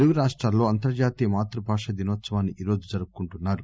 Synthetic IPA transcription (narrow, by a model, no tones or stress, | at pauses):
luɡuɾaːʂʈɾaːlo̞ːɐnt̪ɐɾd͡ʒaːt̪iːjɐmaːt̪ɾɐbʱaːʂɐd̪inʋɐt̪sɐʋaːnːiiːɾo̞ːd͡ʒud͡ʒɐɾuɡukuɳʈunːaːɾu